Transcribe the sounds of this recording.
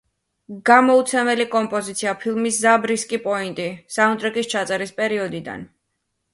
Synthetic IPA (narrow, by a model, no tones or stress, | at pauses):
ɡ̥amɔut̪sʰɛmɛlikʼɔmpʼɔzit̪sʰiapʰilˠmiszabɾiskʼipʼɔint̪ʼisaunt̪ʼɾɛkʼist͡ʃʰat̪sʼɛɾispʼɛɾiɔd̪id̪a̰n